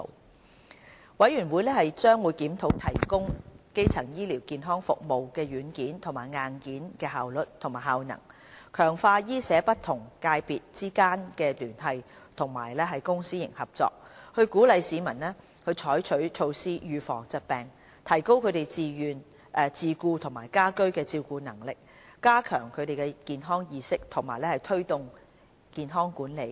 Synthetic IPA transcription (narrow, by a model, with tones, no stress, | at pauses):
o̰˨˧w | wɐ˨˥jɥyː˨˩nwuː˨˧jlɛː˥hɐ˨jt͡sœː˥ŋwuː˨˧jkiː˨˥mt̪ʰo˨˥wt̪ʰɐ˨˩jkʊ˥ŋke˥jt͡sʰɐ˨˩ŋjiː˥liː˨˩wkiː˨nɦɔː˥ŋfʊ̰˨k̚mo˨wkɛː˧jyː˨˥nkiː˨˥nt̪ʰʊ˨˩maː˨˩jŋaː˨˧nkiː˨˥nkɛː˧ɦaː˨wlɵ˨˩t̚t̪ʰʊ˨˩ŋmaː˨˩hɦaː˨wnɐ̰˨˩ŋ | kʰœː˨˩ŋfaː˧jiː˥sɛː˨˥pɐ˥t̚t̪ʰʊ˨˩ŋkaː˧jpiː˨t̚t͡siː˥kaː˥nkɛː˧t̪yː˨˩nɦɐ˨jt̪ʰʊ˨˩ŋma̰ː˨˩jlɛː˥ɦɐ˨jkʊ˥ŋsiː˥jɪ̰˨˩ŋhɐ˨p̚t͡sɔ̰ː˧k̚hɵ˧ɥkuː˨˥lɐ˨˧jsiː˨˧mɐ˨˩nlɛː˥ | khɵ˧ɥt͡ʃʰɔː˨˥jt͡ʃʰɵ˨˥ɥt͡ʃʰo˧wsiː˥jyː˨˧fɔ̰ː˨˩ŋt͡sɐ˨t̚pɛː˨˩ŋ | t̪ʰɐ˨˩jko˥wkʰɵ˨˧t̪e˨jt͡siː˨jyː˨˩n | ʔɛː˨˧t͡siː˨˧kuː˧t̪ʰʊ˨˩ŋmaː˨˩jkaː˥kɵ˥ɥkɛː˧t͡siː˧wkuː˧nɐ˨˩ŋlɪ˨k̚ | kaː˥kʰœː˨˩ŋkʰɵ˨˧t̪e˨jkɛ˧kiː˨nɦɔː˥ŋjiː˨˧sɪ˥k̚t̪ʰʊ˨˩ŋma̰ː˨˩jlɛː˥hɐ˨˩jt̪ʰɵ˥ɥt̪ʊ˨ŋ | kiː˨nɦɔː˥ŋkuː˨˥nle˨˧j